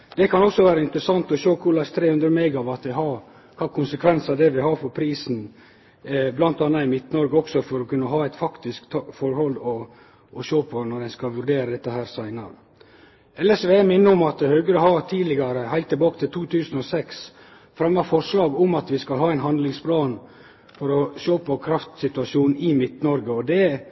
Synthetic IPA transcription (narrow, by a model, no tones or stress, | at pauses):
d̪̥ɛkʰɑnɔksɔʋæːɾəɪnt̪ɾəsɑŋt̪ɔʃøːkʰʊɾɭæst̪ʰɾeːhʉnd̪ɾəmeɪɡɑʋɑt̪ʋɪɦɑɾ | kʰɑːkʰʊnsəkʰʋɛnsɑd̪ɛʋɪhɑːɾfɔpʰɾiːsn̩ | blɑnt̪ɑːnːɑɪmɪt̪nɔɾɡəɔksɔfɔɾɔkʉnːəɦɑːæɪt̪fɑkt̪ɪskt̪fɔɾhɔlɔː | ʃøːpʰɔnɔɾænskɑʋʉɾɖ̪eːɾəd̪ɛt̪ːəɦæːɾsæɪnɑ̰ɾə | ʔɛlːəʂʋeæmɪnːəɔmɑt̪̚d̪ɛhœɡəɾəhɑɾt̪ʰiːlɪɡɑɾəhæɪlt̪ːɪlbɑːkət̪ʰɪlt̪ʰuːt̪ʰʉːsn̩ɔsɛks | fɾɛmːɑfɔʂlɑːɡʊmɑt̪ʋɪskɑlɦɑːæɪnɦɑnd̪lɪŋspʰlɑːn | fɔɾɔʃoːpɔkʰɾɑft̪sɪt̪ʉɑʂuːnnɪmɪt̪nɔɾɡəɔd̪ɛ